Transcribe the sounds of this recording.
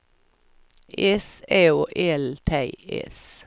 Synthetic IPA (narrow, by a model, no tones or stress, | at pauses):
eːseːoːʔeːlt̪ʰæɪḛːs